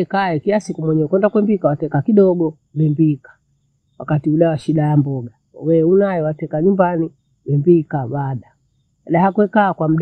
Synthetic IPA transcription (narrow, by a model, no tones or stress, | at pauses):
ɛkaɛkilasikumwɛɲɛɔkwɛndakwɛmbikawatɛkakiɗɔɡɔ | wɛmbikḁ | wakatiuɗawaʃiɗajambɔɡa | wɛunajɛwatɛkaɲumbani | wɛmbikaɓaɗa | lahakwɛkaːkwam̩ɗ